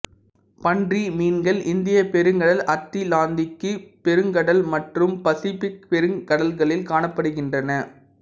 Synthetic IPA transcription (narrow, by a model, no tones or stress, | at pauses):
pɐɳdrimiːnɡɐlʔɪnd̪ɪjɐpɛɾɯŋɡɐɽɐlɐt̪ːilaːnd̪ɪkːɯpɛɾɯŋɡɐɽɐlmɐʈrɯmpɐsɪfɪk̚pɛɾɯŋkɐɽɐlɣɐɭɪlkaːɳɐpːɐɽɯɣɪndrɐnɐ